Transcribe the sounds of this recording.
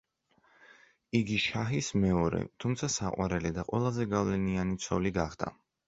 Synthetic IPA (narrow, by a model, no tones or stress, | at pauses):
iɡiʃaɦismɛɔɾɛ̰t̪ʰumt̪sʰasaqʼwa̰ɾɛlid̪aqʼwɛlˠazɛɡavlɛnianit̪sʰɔ̰liɡaχd̪ʰa̰